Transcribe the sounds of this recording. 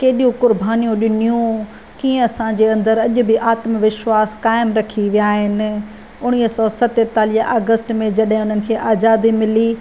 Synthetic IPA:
keːɗijũkʊɾbʱaːnijũɗɪnijũ | kiːẽɐsãd͡ʑeːɐ̃nd̪əɾɐʄʊ̆bɪʔaːt̪mʋɪʃwaːskaːɪmɾɐkʰiʋijaːɦɪnɪ̆ | ʊɽ̃isɔːsɐt̪et̪aːliːəaːɡəsʈmẽd͡ʑɐɗɦɪ̃ʊnənɪ̆kʰeːʔaːzaːd̪imɪli

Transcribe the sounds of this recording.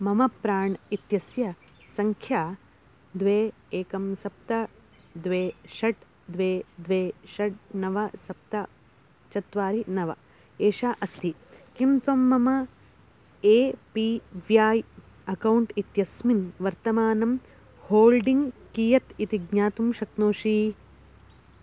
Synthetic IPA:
mɐmɐpɾaːɳit̪jɐsjɐ | sɐŋkʰjaː | d̪ʋeːeːkɐmsɐp̚t̪ɐ | d̪ʋeːʃɐʈ | d̪ʋeːd̪ʋeːʃɐʈ̚nɐʋɐsɐp̚t̪ɐ | t͡ʃɐt̪ʋaːɾinɐʋɐ̰ | eːʃaːʔɐst̪ʰikimt̪ɐmːɐmɐ | eːpiːʋjaːj | ɐkɐwɳʈit̪jɐsminʋɐɾt̪ɐmaːnɐm | hoːlɖiŋɡkiːjɐt̪it̪iɡɲaːt̪umʃɐknoːʂi

